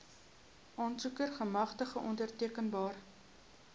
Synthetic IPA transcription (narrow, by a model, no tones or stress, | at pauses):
ʔɑːnsukərχəmɐχtəχəʔɔndərtiəkənbɑːr